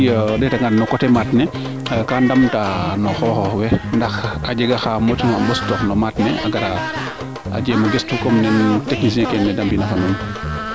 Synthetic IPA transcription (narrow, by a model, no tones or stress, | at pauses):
jɗɛtaŋɡannɔkɔtɛmatnɛ | kandamtanɔxɔːxɔwɛndaxad͡ʒɛɡaxamɔtuŋaɓɔstɔxnɔmatnɛ̰a̰ɡaɾa | a̰d͡ʒɛmɔɡɛstukɔmnɛnteknisɛkɛnɛdambinafanɔn